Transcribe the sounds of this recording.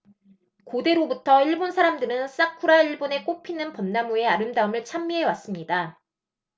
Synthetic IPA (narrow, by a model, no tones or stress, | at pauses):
kode̞ɾobutʰʌiɭbonsʰaɾamdɯɾɯnss͈akʰuɾaiɭbone̞k͈opʰinɯnpʌnːamue̞aɾɯmdaɯmɯɭt͡ɕʰamːiɦe̞was͈ɯmɲida